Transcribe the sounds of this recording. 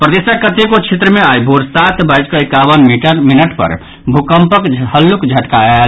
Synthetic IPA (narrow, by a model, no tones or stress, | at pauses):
pɾəd̪esəkət̪ekot͡ʃʰet̪ɾəmeajbʱuɾsat̪bʱəd͡ʒkəekaʋənmiʈəɾminəʈpə̰ɾ | bʱukəmpəkhəlːukd͡ʒʱəʈka